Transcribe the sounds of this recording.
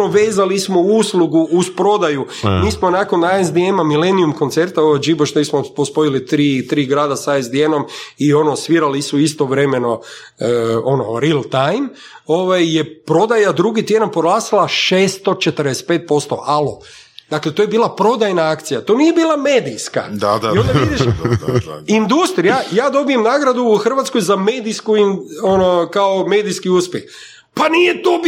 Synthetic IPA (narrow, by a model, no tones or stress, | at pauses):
oʋeːzalismo̞uuslˠuɡuuspɾo̞d̪aju | miːsmo̞nakonaezd̪iemamilenijumko̞nt̪se̞ɾt̪aoʋad͡ʒiboʃt̪oismopospo̞ilit̪ɾiːt̪ɾiːɡɾaːd̪asaezd̪ieno̞mio̞no̞sʋiːɾalisuist̪o̞ʋɾe̞me̞no̞ | o̞no̰ɾilˠt̪ajm | oʋajːe̞pɾo̞d̪ajad̪ɾuɡit̪je̞d̪anpɾoɡlˠaːsilˠaʃeːst̪o̞t͡ʃet̪əɾd̪ese̥t̪̚pet̪̚po̞st̪o̞̰ʔalˠo̰ | d̪akle̞t̪oːje̞biːlˠapɾo̞d̪ajnaakt̪sijat̪oːnije̞biːlˠame̞ːd̪ijska̰iond̪aid̪iʃ | ind̪ust̪ɾijajaːd̪o̞bije̞mnaːɡɾad̪uːxr̩ʋat̪skojzame̞ːd̪ijskuinonokaome̞ːd̪ijskiuːspʲjex | panijet̪o